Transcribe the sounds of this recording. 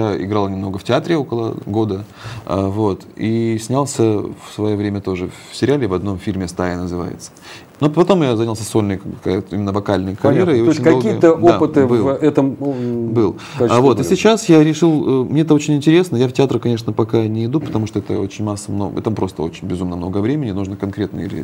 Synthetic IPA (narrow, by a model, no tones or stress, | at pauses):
jaɪ̰ɡɾalˠnʲɪmno̞ɡəfʲtʲɪat̪ɾʲɪo̞kəlˠə̰ɡo̞d̪ə | a̰vo̞t̪isʲnʲalˠsʲəfsvɐjo̞vɾʲemʲət̪o̞ʐɨfsʲɪɾʲɪalʲɪvɐd̪no̞mfʲilʲmʲɪst̪aɪnəzɨva̰jɪ̰t̪sə̥ | nopɐt̪o̞mjazanʲəlˠsʲəso̞lʲnəjɨka̰jt̪imʲɪnːəvɐkalʲnəjəkɐɾʲjeɾəɪot͡ɕʲɪnʲkɐolʲiəjət̪əopɨt̪ɨbɨvɛt̪əmbɨlˠ | kavo̞t̪ɨsʲɪt͡ɕasjaɾʲɪʂɨlˠəmnʲeɛt̪əo̞t͡ɕɪnʲɪnʲtʲɪɾʲe̞snəjaftʲɪat̪ɾəkɐnʲe̞ʂnəpɐkanʲɪɪd̪upə̥t̪ɐmuʂt̪oɛt̪ə̰o̰t͡ɕɪnʲmasːəmnom̰t̪ampɾʔo̞st̪əo̞t͡ɕɪnʲbʲɪzumnəmno̞ɡəvɾʲemʲɪnʲɪnuʐnəkɐnkɾʲe̞t̪nə̰jəḭlʲɪ̰